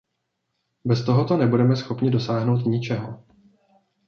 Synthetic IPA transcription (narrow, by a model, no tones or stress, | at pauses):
bɛst̪o̞ɦo̞t̪o̞nɛbudɛmɛsxo̞pɲɪdo̞saːɦno̞wt̪ɲɪt͡ʃɛɦo̰